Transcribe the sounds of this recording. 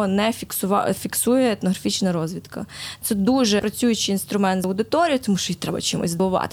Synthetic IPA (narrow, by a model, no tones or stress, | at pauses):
ɔnɛfʲiksʊʋɑ̰fʲiksujɛɛt̪nɔɦɾɐfʲit͡ʃnɐɾɔzʋʲid̪kɐ̰t̪sɛd̪uʒɛpɾɐt͡sʲujʊt͡ʃɪinst̪ɾʊmɛnt̪zɐwd̪ɪt̪ɔɾʲijʊt̪ɔmuʃt͡ʃɔjit̪ɾɛbɐ̰t͡ʃimṵzʲzˠʊʋɑ̰t̪